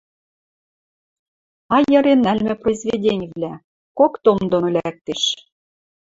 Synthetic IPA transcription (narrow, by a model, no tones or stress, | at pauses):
ɑjɤ̆ɾenælmɘ̆projzvʲedʲenʲvlʲæ | kokt̪omd̪onolʲæk̚t̪eʃ